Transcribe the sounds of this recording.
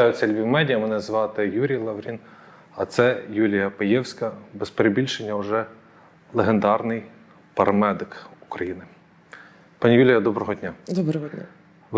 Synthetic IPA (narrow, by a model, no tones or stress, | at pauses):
ɑjʊt͡sʲːɐlʲʋʲiwmɛdʲijɐmɛnɛzʋɑt̪ɪjuɾʲijlˠɐʋɾʲin | ɐt̪sɛjulʲijɐpejɛwsʲkɐbɛspeɾebʲilʲʃenʲːɐʊʒɛ | lˠeɦend̪ɑrnɪj | pɐɾɐmɛd̪ɪkukɾɐjinɪ | pɑnʲijulʲɪjɐd̪ɔbɾɔɦɔdʲnʲad̪ɔbɾɔɦɔa | ʋ